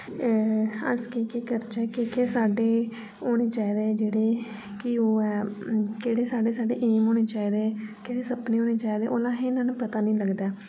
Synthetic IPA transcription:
ə̰skeːkeːkəɾt͡ʃɛːkeːkeːsaːɖeː | ɦoːɽ̃eːt͡ʃaːiːd̪eːd͡ʒeːɽeː | kɪoːɛːkeːɽeːsaːɖeːsaːɖḛːʔeːmɦoːɽeːt͡ʃaːiːd̪eːkeːɽeːsəpneːɦoːneːt͡ʃaːid̪eːʔoːlãːɦeɪnãːnũːpət̪aːnĩːləɡd̪aː

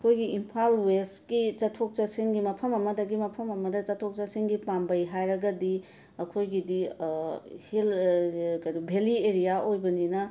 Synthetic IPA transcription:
ɐkʰojɡiimpʰalweskit͡ʃɐtʰok̚t͡ʃɐsiŋɡimɐpʰɐmɐmɐdɐɡimɐpʰɐmɐmɐdɐt͡ʃɐtʰok̚t͡ʃɐsiŋɡipambɐjɦajɾɐɡɐdi | ɐkʰojɡidi | hilkɐjdubʱelieɾijaʔojbɐninɐ

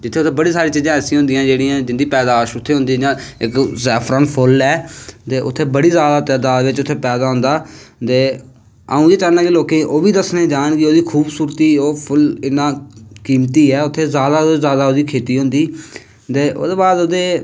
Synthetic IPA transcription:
d͡ʒɪt̪ʰːeːʊt̪ʰeːbəɽiːsaːɾiːt͡ʃiːzãːɛːsĩɦʊ̃nd̪ɪjãːd͡ʒeːɽĩjãːd͡ʒɪnd̪iːpɛːd̪aːʃʊt̪ʰːeːɦʊ̃nd̪iːãːɪkzɛːpʰɾə̃ɳpʰʊlɛːt̪eːʔʊ̰t̪ʰːeːbəɽiːzaːd̪aːt̪ɛːd̪aːd̪ʋɪt͡ʃʊt̪ʰːeːpɛːd̪aːɦʊ̃nd̪aːt̪eː | a̰ːũːjeːt͡ʃaːnaːkɪloːkẽːʔoːʋiːd̪əsnẽːd͡ʒaːɳkɪoːd̪iːkʰuːbsuːɾt̪iːoːpʰʊlɪnãːkiːmt̪iːɛːʊt̪ʰːeːzjaːd̪aːzaːd̪aːoːd̪iːkʰeːt̪iːɦʊ̃nd̪iː | t̪eːʔo̰ːd̪eːbaːd̪oːd̪eː

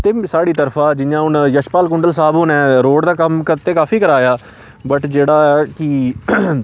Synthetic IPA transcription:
t̪eːsaːɽiːt̪əɾfʰãːd͡ʒɪjãːʊnjəʃpaːlkʊɳɖəlsaːbɦʊnɛ̃ːɾoːɖd̪aːkəmkəɾt̪eːkaːfʰiːkəɾaːjaː | bəʈd͡ʒeːɽaːɛkɪ

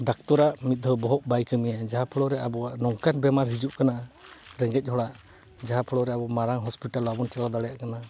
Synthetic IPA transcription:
ɖak̚t̪ɔɾaʔmit̪̚d̪ʱɔbɔɦɔʔbajkɯmijad͡ʒaɦapʰɔɽɔɾɛabɔwaʔnɔŋkanbɛmaɾɦid͡ʒuʔkanaɾɛŋɡɛc̚ˀhɔɽaʔ | d͡ʒaɦapʰɔɽɔɾɛabɔmaɾaŋɦɔspiʈalɔabɔnt͡ʃɛlad̪aɽɛjaʔkana

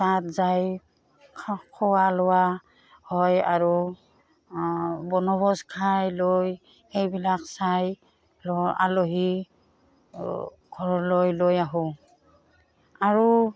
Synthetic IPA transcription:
satzaj | kʰkʰɔwalɔwa | hɔja̰ɹu | bɔnɔbɔskʰajloj | xejbilaksaj | lɔa̰loɦi | ɡ̥ʱɔɹɔlojlojaɦu | aɹu

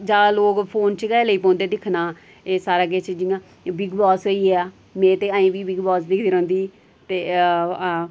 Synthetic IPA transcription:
d͡ʒaːloːkpʰoːnt͡ʃɡɛːləiːpõːnd̪eːd̪ɪkʰnaː | eːsaːɾaːɡeːt͡ʃd͡ʒɪãː | bɪɡbɔːsɦoːiːɦɛː | mɛ̃ːt̪eːãːĩːbiːbɪɡbɔːsd̪ɪkʰd̪iːɾõːnd̪iː | t̪eː

